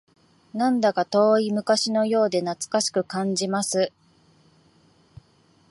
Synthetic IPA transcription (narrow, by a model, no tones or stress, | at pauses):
nãnd̪akat̪o̞ːimɯ̟kaɕino̞jo̞ːd̪e̞nat͡sɨ̥kaɕi̥kɯ̟kãɲ̟d͡ʑimasɨ